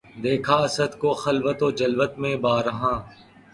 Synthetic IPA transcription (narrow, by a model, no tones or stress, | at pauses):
d̪eːkʰaːɐsəd̪koːxɐlʋət̪oːd͡ʒɐlʋət̪mẽːbaːɾəɦãː